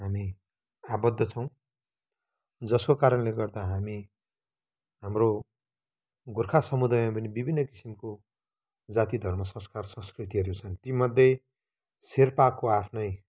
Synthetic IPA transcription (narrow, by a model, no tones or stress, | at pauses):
ɦami | abʌd̪ʱːʌt͡sʰʌw̃ | d͡zʌskokaɾʌnleɡʌrd̪aɦami | ɦamro | ɡurkʰasʌmud̪ajmapʌnibibʱinːʌki̥simko | d͡zat̪id̪ʱʌrmʌsʌ̃skarsʌ̃skrit̪iɦʌɾut͡sʰʌnt̪imʌd̪ʱjʌj | serpakːoapʰnʌj